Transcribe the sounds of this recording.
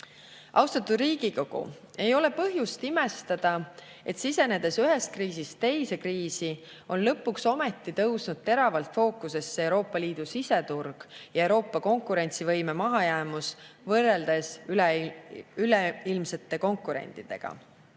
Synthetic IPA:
ʔɑwst̪ɑt̪ːud̪riːɡ̥iko̞ɡ̥ṵ | e̞jo̞le̞pɤɦjust̪imest̪ɑd̪̥ɑ | e̞t̪sise̞ne̞d̪̥e̞syɦest̪̚kriːsist̪t̪e̞jse̞kriːsi | o̞nlɤpːˑukso̞me̞t̪ːˑit̪ɤwsnud̪̥̚t̪e̞ɾɑvɑlt̪ˑfo̞ːkːˑuse̞sːeewɾo̞ːpːˑɑliːd̪̥usise̞t̪urɡ̥jɑewɾo̞ːpːˑɑko̞ŋkuɾe̞nʲt̪sivɤjme̞mɑɦɑjæːmusvɤrːeld̪̥e̞s | yleilmse̞t̪ːe̞ko̞ŋkuɾḛnʲt̪ˑid̪̥e̞̰ɡ̥ɑ̰

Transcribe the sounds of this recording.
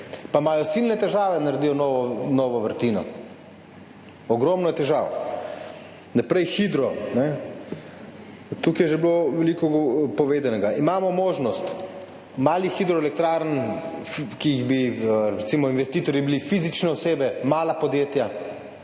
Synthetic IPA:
pamaːjɔsilnɛt̪ɛʒaːʋɛnaɾd̪iːjɔnɔʋɔnɔʋɔʋəɾt̪iːnɔ | ɔɡɾɔmnɔjɛt̪ɛʒa̰ːw | napɾɛjxid̪ɾɔnɛ | t̪ukijɛʒɛbloʋɛlikɔɡpɔʋeːd̪anɛɡaimaːmɔmoːʒnɔst̪ | maːlixid̪ɾɔɛlɛk̚t̪ɾaːɾnfkiiɣbiɾɛɾɛt̪siːmɔinʋɛst̪iːt̪ɔɾjibilifizit͡ʃnɛɔseːbɛmaːlapɔd̪jeːt̪ja

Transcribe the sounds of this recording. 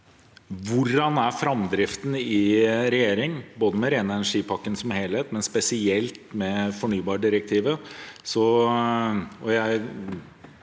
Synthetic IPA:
ʋʊrːɑnæfɾɑmd̪ɾɪft̪n̩ɪɾɛjeːɾɪŋboːd̪əmɛɾenəɛnæʂiːpʰɑkːənsɔmheːlheːt̪mɛnspɛsɪɛlt̪mɛfɔɳyːbɑːɖɪɾək̚t̪ʰiːʋəsɔ | ɔjæɪ

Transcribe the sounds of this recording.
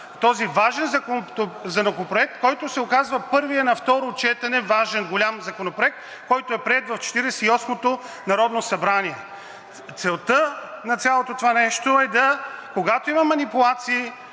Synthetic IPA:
t̪ɔzivaʒɛnzɐkont̪ozɐnokopɾoɛk̚t̪kɔjt̪ʊsɛʊkazvɐpɤɾviɐnɐft̪ɔɾot͡ʃɛt̪ɐnɛvaʒɛnɡolʲamzɐkonopɾoɛk̚t̪ | kɔjt̪oɛpɾiɛt̪vɐft͡ʃɛ̥t̪iɾɛsɛiɔsmot̪o | nɐɾɔd̪nosɐbɾaniɛ | t̪sɛlˠt̪ənɐt̪sʲjalˠot̪ot̪ovanɛʃt̪oɛd̪ɐkoɡat̪oimɐmɐnipʊlˠat̪siː

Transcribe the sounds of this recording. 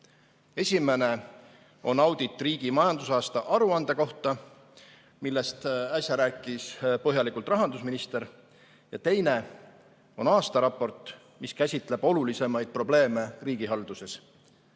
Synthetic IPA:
e̞sʲime̞ne̞ | o̞nɑwd̪̥it̪ːˑriːɡ̥imɑjɑnd̪̥usɑːst̪ɑʔɑɾuɑnd̪̥e̞ko̞ht̪ɑ | milːe̞st̪ɑsʲjɑɾæːkːˑispɤɦjɑlikːˑult̪rɑɦɑnd̪usminist̪e̞ɾ | jɑt̪e̞jne̞ | o̞̰nɑːst̪ɑɾɑpːˑo̞rt̪ˑ | miskæsʲit̪ˑle̞b̥o̞lulise̞mɑjd̪̥̚pro̞ble̞ːme̞riːɡ̥iɦɑld̪̥use̞s

